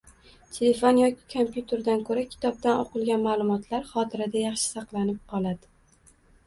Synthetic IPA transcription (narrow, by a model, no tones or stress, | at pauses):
t̪ʰele̞fonjɒkʲɪ̥kʰompjut̪ʰe̞ɾd̪ankʰɵɾakʲʰɪ̥t̪ʰɒb̚d̪ano̰qɨlˠɡʲanmaːlˠʊmɒt̪ʰlaɾχɒt̪ʰɪɾad̪ajɑχʃɪ̥sɑqlˠanɪp̚qʰɒlˠad̪ɪ